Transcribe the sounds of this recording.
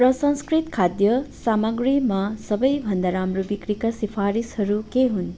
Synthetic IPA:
pɾəsə̃nskɾit̪kʰad̪jəsaməɡɾimãsəbəjbʱənd̪ʱaɾamɾubikɾikasifʰaɾishəɾukeɦun

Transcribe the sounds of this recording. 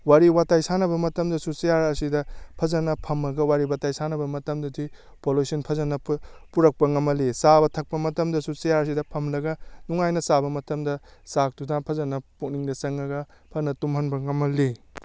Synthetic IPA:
waɾiwatajsanɐbɐmɐtɐmdɐsusijaɾɐsidɐpʰɐzɐnɐpʰɐmɐɡɐwaɾiwatajsanɐbɐmɐtɐmdɐdi | polosinpʰɐzɐnɐpuɾɐk̚pɐŋɐmɐlisabɐtʰɐk̚pɐmɐtɐmdɐsusijaɾɐs̬idɐpʰɐmlɐɡɐnuŋajnɐsabɐmɐtɐmdɐsak̚tudapʰɐzɐnɐpuk̚niŋdɐsɐŋɐɡɐpʰɐnɐtumɦɐnbɐŋɐmɐli

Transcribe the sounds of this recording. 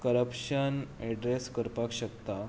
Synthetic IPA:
kəɾəpɕənɛɖɾeskəɾpakɕəkt̪a

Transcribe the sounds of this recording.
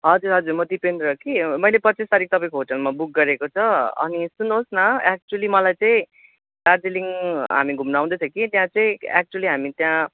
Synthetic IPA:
ɦʌd͡zuɾɦʌd͡zurmʌd̪ipend̪ɾʌkimʌjlepʌt͡sist̪aɾik̚t̪ʌpaĩkoɦoʈʌlmabuk̚ɡʌɾekot͡sʰʌʌ̰nisunosnʌak̚t͡suwʌlimʌlajt͡saĩ | ʈardeliŋɦa̰miɡʱumnaw̃d̪ʌt͡sʰʌkit̪jãt͡saĩak̚t͡sualiɦamit̪jã

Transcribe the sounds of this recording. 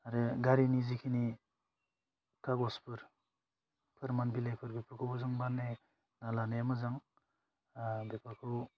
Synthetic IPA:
aɾeɡaɾinizikʰini | kʰaɡɔspʰɯɾ | pʰɯɾmanbilepʰɯɾbipʰɯɾkʰɯbuzaŋbanːe | nalanejamɯzaŋ | bepʰakʰɯ

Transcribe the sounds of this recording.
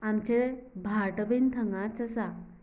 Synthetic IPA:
amt͡ɕebʱaʈəbint̪ʰəŋɡãt͡səsa

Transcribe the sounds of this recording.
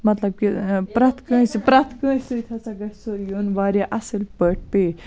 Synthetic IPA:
mɐt̪lɐb̚kipɾɐt̪ʰkə̃ːsipɾɐt̪ʰkə̃ːsɨt̪ʲʰɐt͡sɐɡɐʈsojunʋaːɾʲjaʔɐsɨlpəʈ̚ʰpe

